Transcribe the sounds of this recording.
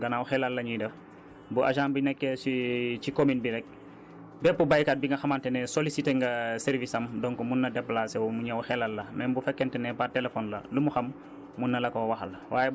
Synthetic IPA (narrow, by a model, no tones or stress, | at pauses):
ɡɐnawuxɛlalːɐɲidɛf | buʔa̰ʒãːmbinɛkːɛsit͡ʃikominbiɾɛk̚ | bɛpːubajkaːt̚biŋɡɐxɐmantɛnɛsolisiteŋɡɐsɛɾvisɐmdɔŋkumunːɐdɛpːlaːsɛwmuɲawuxɛlalːɐnɛnbufɛkːɛntɛnɛpatɛlefɔnlɐ̰lumuxɐm | munːɐlɐkowɐxɐlɐwaːjɛ